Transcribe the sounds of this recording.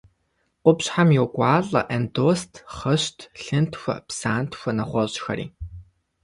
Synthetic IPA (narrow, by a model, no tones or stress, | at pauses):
qʷʊpɕħamjokʷʼɑːɮɐ̰ʔɛndoːstʰχɐɕtʰɬɨntʰxʷɐ̰psaːntxʷɐnɐχʷɔɕʼxɐ̰ɾḭː